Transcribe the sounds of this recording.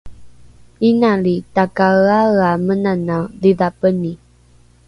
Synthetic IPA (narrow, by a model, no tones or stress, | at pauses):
inaɭitakaɣaɣamənanaðiðapəni